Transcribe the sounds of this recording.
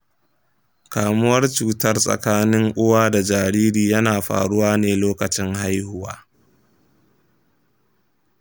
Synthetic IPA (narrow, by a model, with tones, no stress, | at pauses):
kaː˨mʊ˦wɐ˦rt͡ʃuː˦tɐ˦rsʼɐ̰˨kaː˦nɪ˦ŋʔʷʊ˦waː˦da˨d͡ʒaː˨ɾiː˦ɾiː˨jɐ˦naː˨ɸa̰ː˨ɽʊ˦waː˦neː˨loː˦kɐ˨t͡ʃɪ˦ŋha˦jhʊ˦waː˦